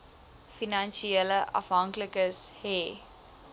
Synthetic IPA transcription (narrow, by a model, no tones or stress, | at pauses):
finanʃiɛləʔa̰fɦɐŋkləkəsheː